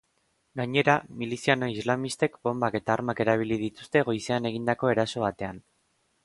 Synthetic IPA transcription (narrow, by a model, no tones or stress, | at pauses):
ɡaɲe̞ɾamilisianoizlamist̪e̞kbo̞mbake̞t̪aːɾmake̞ɾaβ̞ilið̞it̪u̥st̪e̞ɣ̞o̞jse̞ane̞ɣ̞ind̪ako̞e̞ɾaso̞β̞at̪e̞an